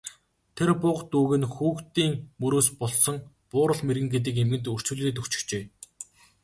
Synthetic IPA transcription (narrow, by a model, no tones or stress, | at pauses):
t̪ʰerpʊqt̪uːɣɘ̆nxuːkt̪iːŋmɵɾoːspɔɮsɞ̆ŋ | pʊːɾə̆ɮmerɣɘ̆ŋɡet̪̬ɘ̆k̬emɡɘ̆nt̪ɵr̥t͡ɕŭɮːeːt̪ɵxt͡ɕɪ̥̆xt͡ɕeː